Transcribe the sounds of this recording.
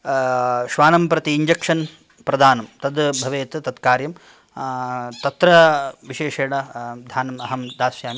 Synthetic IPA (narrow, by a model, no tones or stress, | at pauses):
ʃʋaːnɐmpɾɐt̪iːɲd͡ʒɐkʂɐn | pɾɐd̪ʱaːnɐmt̪ɐd̪bʱɐʋeːt̪t̪ɐd̪kaːɾjɐm | t̪ɐt̪ɾɐʋiʃeːʂeːɽɐd̪ʱaːnɐmɐɦɐmd̪aːsjaːmi